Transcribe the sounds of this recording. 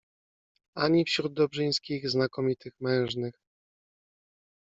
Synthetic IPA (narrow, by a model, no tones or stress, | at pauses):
aɲifɕɾud̪̚d̪ɔbʐɘj̃skʲiɣznakɔmʲit̪ɘxmɛ̃w̃ʐnɘx